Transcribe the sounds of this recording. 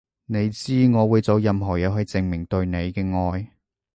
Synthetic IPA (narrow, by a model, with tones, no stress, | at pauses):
ne˨˧jt͡siː˥ŋɔː˨˧wuː˨˧jt͡so˨˧wjɐ˨˧mɦɔː˨˩jɛː˨˧ɦɵ˨˧jt͡sɪ˨˧ŋmɪ˨˩ŋt̪ɵ˧ɥne˨˧jkɛː˧ŋɔː˧j